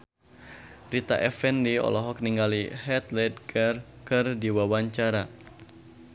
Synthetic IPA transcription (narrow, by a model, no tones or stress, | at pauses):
rit̪a̰ʔɛfɛndiɔ̰lɔɦɔk̚niŋɡalihɛt̪lɛd̪̚ɡarkɨrdiwawaɲt͡ʃaɾa